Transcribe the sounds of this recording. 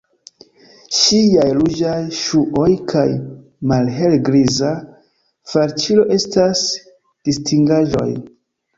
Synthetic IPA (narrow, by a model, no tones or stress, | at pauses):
ʃiajlud͡ʒajʃuʔo̞jkʰaj | malɦelɡɾiza | faɾt͡ʃilo̞ʔe̞stas | d̥istiŋɡaʒo̞̰j